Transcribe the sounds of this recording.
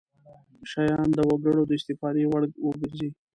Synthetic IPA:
ʃajɑnd̪əwaɡəɽad̪əɪst̪ɪfɑɾewaɽwəɡəɾzi

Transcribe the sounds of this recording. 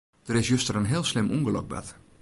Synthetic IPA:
d̥əɾɪsjøstərənɦɪːlˠslɪmʔṵŋɡəlɔ̰k̚bɛ̰t

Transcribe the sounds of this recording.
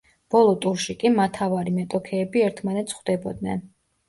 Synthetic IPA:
b̥ɔlˠɔt̪ʼuɾʃikʼimat̪ʰavaɾimɛt̪ʼɔkʰɛːbiɛɾt̪ʰmanɛt̪sʰχwd̪ɛbɔd̪̚nɛ̰n

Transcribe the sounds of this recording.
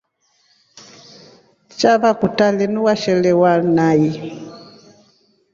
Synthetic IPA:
t͡ʃaβakutalɛnuwaʃɛlɛwanaji

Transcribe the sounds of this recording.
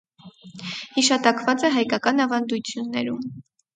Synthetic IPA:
hiʃɑt̪ɑkvɑt͡sɛɦɑjkɑkɑnɑvɑnd̪ut͡sʰjunːɛ̰ɾum

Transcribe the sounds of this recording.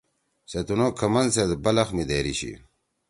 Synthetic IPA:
set̪unokʰɐmɐnsed̪bɐlɐxmid̪eːɾiɕḭ

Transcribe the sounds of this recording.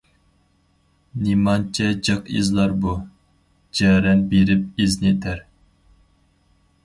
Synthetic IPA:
nimɑnt͡ʃʰɛd͡ʒɑqḭzlˠɑɾbu | d͡ʒɛːɾɛnbeɾɪp̚iznɪt̪ʰæɾ

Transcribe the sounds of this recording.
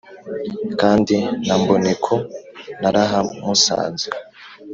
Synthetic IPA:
kaːndinambonekʰonaɾaɦamusa̰ːnze

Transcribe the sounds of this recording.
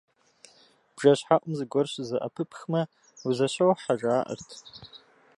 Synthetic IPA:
b̥ʐaɕħaʔʷʼʊmzɡʷɔrʃʷzaʔa̰pʰɨpʰxma | uzaʃowħaʒaːʔə̰rtʰ

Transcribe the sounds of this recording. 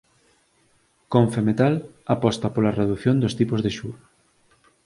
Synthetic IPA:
koɱfemet̪al | apɔst̪ɐpolɐreðuθjond̪ost̪ipozðeʃuɾ

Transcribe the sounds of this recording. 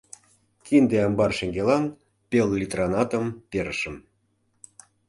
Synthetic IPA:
kind̪eɑmbɑrʃeŋɡelɑn | pʲellʲit̪rɑnɑt̪əmpeɾəʃəm

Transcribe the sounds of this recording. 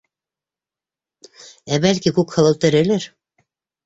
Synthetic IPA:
æbælkikʉkhɤ̆lˠɤ̆lt̪ɤ̆ɾɘ̆lɘɾ

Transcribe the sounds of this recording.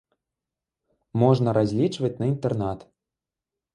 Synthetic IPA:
mɔʐnɐɾazʲlʲit͡ʂvɐt͡sʲnɐint̪ɛrnat̪

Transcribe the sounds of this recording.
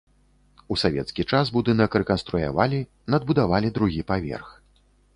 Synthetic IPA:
usavʲɛ̰t̪skʲit͡ʂasbud̪ɨnɐkrɛkɐnst̪ɾuja̰valʲi | nɐd̪̚bud̪avalʲid̪ɾuɣʲipavʲɛ̰rx

